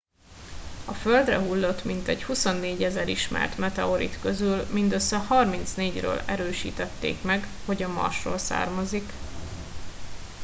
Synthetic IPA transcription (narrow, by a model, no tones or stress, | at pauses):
ɒføld̪rɛɦulːo̞t̪mint̪ɛɟhuso̞nːeːɟɛzɛɾiʃmɛ̰rt̪mɛt̪ɛoɾḭt̪kø̞zylmind̪øsːɛhɒrmint̪sneːɟrø̰ːlɛɾøːʃḭːt̪ɛt̪ːḛːkmɛɡ | ho̞ɟɒmɒ̰rʃro̰ːlsa̰ːrmɒzik